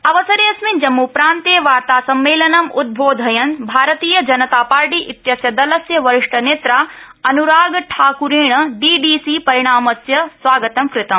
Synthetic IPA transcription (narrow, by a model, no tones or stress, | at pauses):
ɐʋɐsɐɾjɐsmind͡ʒɐmːupɾaːnt̪eːʋaːɾt̪aːsɐmːeːlɐnɐmud̪̚bʱoːd̪ʱɐjɐnbʱaːɾɐt̪iːjɐd͡ʒɐnɐt̪aːpaːɾʈiːʔit̪jɐsjɐd̪ɐlɐsjɐʋɐɾɪʂʈɐneːt̪ɾaː | ɐnuɾaːɡʈʰaːkuɾeːɳ̃ɐɖiːɖiːsiːpɐɾiɽ̃aːmɐsjɐsʋaːɡɐt̪ɐmkɾɪt̪ɐm